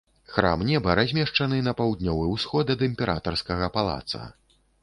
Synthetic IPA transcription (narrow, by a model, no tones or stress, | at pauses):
xɾa̰mnʲɛbɐɾazʲmʲɛʂt͡ʂɐnɨnɐpawd̪nʲɔvɨwsxɔd̪ɐd̪ɨmʲpʲɛɾʔa̰t̪ɐrskɐɣɐpalˠa̰t̪sɐ̰